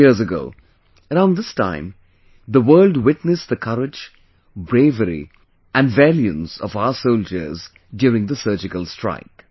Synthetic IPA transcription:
izəɡo̰ʊ | əɾãʊ̃nd̪ɪstã̰ɪ̃m | d̪əwəːlɖwɪʈnɨsd̪əkʰʌɾɪd͡ʒ | bɾeɪvəɾḭ | ʔæ̃nvæljɨ̃nsɔ̰vaʊəsoʊld͡ʒə̰˞z | djʊːɾɪ̃ŋd̪əsɜːd͡ʒɪkəlˠstɹ̥a̰ɪk

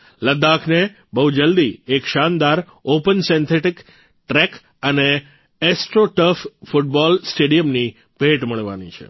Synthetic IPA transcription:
ləd̪akʰne | bəɦud͡ʒəld̪iekʃand̪aɾ | opənsɛ̃nt̪ʰeʈik | ʈɾek | əneː | sʈɾoʈəffuʈ̚bɔlsʈeɽijəmni | bʱeʈməɭʋa̰nit͡ʃʰḛ

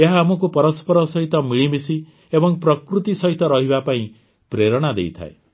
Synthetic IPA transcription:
eɦaːmɔk̬upɔɾɔspɔɾɔsɔɦit̪ɔmiɭibisi | ebɔŋpɾɔkɾut̪isɔɦit̪ɔɾɔɦibapaĩ | pɾeɾɔɽ̃ad̪ḛjt̪ʰa̰e

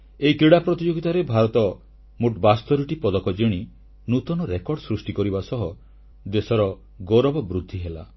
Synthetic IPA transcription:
eikɾiɽapɾɔt̪id͡ʒoɡit̪aɾebʱaɾɔt̪ɔ | muʈbast̪ɔɾuʈipɔd̪ɔkɔd͡ʒiɽ̃i | nut̪ɔnɔɾekɔɖɔsɾusʈikɔɾibasɔɦɔ | d̪esɔɾɔ | ɡoɾɔbɔbɾud̪ʱːiɦela̰

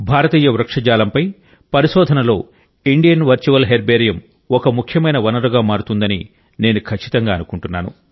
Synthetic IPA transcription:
bʱaːɾɐt̪iːjɐʋɾɐkʂɐd͡ʒaːlɐmpɐj | pɐɾiʃɔːd̪ʱɐnɐlo̞ː | iɳɖijɐnʋɐɾt͡ʃuʋɐlɦeɾbeːɾijɐm | ɔkɐmukʰjɐmɐjnɐʋɐnɐɾuɡaːmaːɾut̪und̪ɐni | ne̞ːnukʰɐt͡ʃːi̥t̪ɐŋɡaːnukuɳʈunːaːnṵ

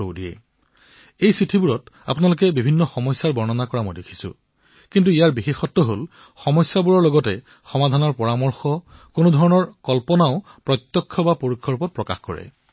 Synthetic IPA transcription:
o̰diɛ̰ | ejsitʰibuɹɔta̰punalʊk̬ɛbibʱinːɔxɔmɔjsːaɹbɔɹnɔnakɔɹamɔjdekʰi̥sʊ̰̃ | kintuijaɹbixexɔtːɔɦol | xɔmɔsːabuɹɔɹlɔɡɔtɛ | xɔmadʱanɔɹpɔɹamɔɹxɔkonodʱɔɹɔnɔɹkɔlpɔnaʊ | pɹɔt̪jɔkʰːɔbapoɹukʰːɔɹupɔt̚pɹɔka̰xkɔ̰ɹɛ̰

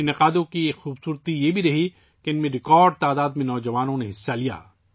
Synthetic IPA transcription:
ɪnɪqaːd̪õkiexuːbsuːɾt̪ijebʱiɾɐɦi | keɪnmẽɾɪkɔːɾɖ̚t̪aːd̪aːd̪mẽnɔːd͡ʒɐʋaːnõneɦɪsːalija̰ː

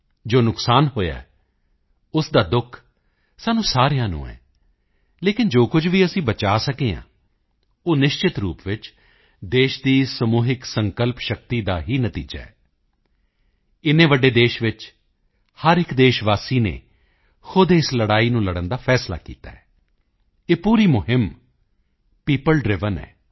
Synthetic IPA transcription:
d͡ʒoːnʊksaːnɦoːja̰ː | ʊsd̪aːd̪ʊkʰ | saːnũːsaːɾejãːnṵ̃ːɛ̰ː | leːkɪnd͡ʒoːkʊd͡ʒʋiːəsĩːbət͡ʃaːsəkeːã̰ː | oːnɪʃt͡ʃɪt̪ɾuːpʋɪt͡ʃ | d̪eːʃd̪iːsəmuːɦɪksəŋkəlpʃək̚t̪iːd̪aːɦiːnət̪ḭːd͡ʒa̰ːɛː | ɪnẽːʋəɖːeːd̪eːʃʋɪt͡ʃ | həɾɪkd̪eːʃʋaːsiːnḛː | xʊd̪eɪsləɽaːiːnũːləɽənd̪aːpʰɛːsla̰ːkḭːt̪a̰ːɛː | eːpuːɾiːmʊɦɪm | piːpəlɖɾɪʋənɛ̰ː

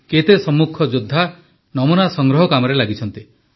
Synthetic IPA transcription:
ket̪esɔmːukʰɔd͡ʒud̪ʱːa | nɔmunasɔŋɡɾɔɦɔkamɔɾelaɡit͡ʃʰɔnt̪i

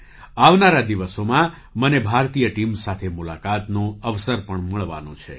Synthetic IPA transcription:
aʋnaɾad̪iʋəsomã | mənebʱaɾt̪ijəʈimsat̪ʰemulakat̪nũəʋsəɾpəɳməɭʋa̰nõ̰t͡ʃʰḛ

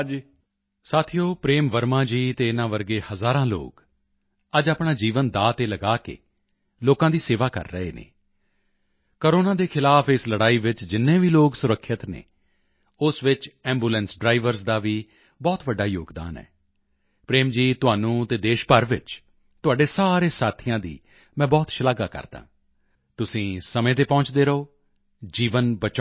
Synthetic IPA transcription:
saːt̪ʰijoːpɾeːmʋəɾmãːd͡ʒiːt̪eːɪnãːʋəɾɡeːhəzaːɾãːlo̰ːk | əd͡ʒaːpɳaːd͡ʒiːʋənd̪aːt̪eːləɡaːkḛː | loːkãːd̪iːseːʋaːkə̰ɾːəɦeːnḛː | koɾoːnãːd̪eːkʰɪlaːpɪsləɽaːiːʋɪt͡ʃd͡ʒɪnːẽːʋiːloːksʊɾəkʰːɪt̪nḛ̃ː | ʊsʋɪt͡ʃɛ̃ːmbuːlɛ̃ːnsɖɾaːɪʋəɾsd̪aːʋiː | bɔːt̪ʋəɖːaːjoːɡd̪a̰ːnɛ̰ː | pɾeːmd͡ʒiːt̪ʊɦaːnũːt̪eːd̪eːʃpəɾʋɪ̰t͡ʃ | t̪ʊaːɖeːsaːɾeːsaːt̪ʰiːãːd̪ḭː | mɛ̃ːbɔːt̪ʃəlaːɡa̰ːkə̰ɾd̪ã̰ː | t̪ʊsĩːsəmẽːt̪̬eːpɔ̃ːt͡ʃd̪eːɾəoː | d͡ʒiːʋənbət͡ʃː

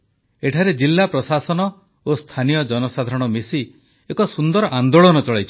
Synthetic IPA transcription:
eʈʰaɾed͡ʒilːapɾɔsasɔnɔ | ost̪ʰanijɔd͡ʒɔnɔsad̪ʱaɾɔɽ̃ɔmesi | ekɔsund̪ɔɾɔʔand̪oɭɔnɔt͡ʃɔɭajt͡ʃʰɔ

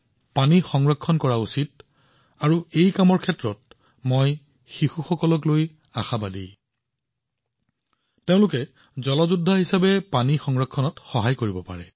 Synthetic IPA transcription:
panixɔŋɹɔkʰːɔnkɔɹausit̚ | aɹuejkamɔɹkʰɛtɹɔt̚ | moj | xixuxɔkɔlɔkloj | a̰xabadḭ | teʊ̃lʊkɛ | zɔlɔzudʱːaɦisabɛpanixɔŋɹɔkʰːɔnɔtxɔɦajkoɹibɔpa̰ɹɛ̰

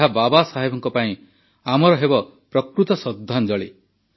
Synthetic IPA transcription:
ɦababasaɦebɔŋkɔpaĩ | amɔɾɔɦebɔpɾɔkɾut̪ɔsɔd̪ʱːand͡ʒɔɭe

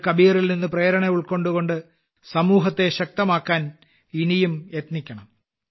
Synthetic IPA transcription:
kɐbiːɐrilninːɨpreːɾɐɳeuɭko̞ɳɖuɣo̞ɳɖɨ | sɐmuːɦɐt̪ːe̞ɕɐk̚t̪ɐmaːkːaːn | inijumjet̪nikʲːɐɳɐm

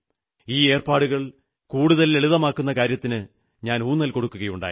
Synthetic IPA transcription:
iːe̞ːrpaːɽuɣɐɭ | kuːɽuðɐle̞ɭuðɐmaːkːunːɐkaːɾjɐt̪ːinɨ | ɲaːnuːnːɐlko̞ɽukːuɣɐjuɳɖa̰ːj

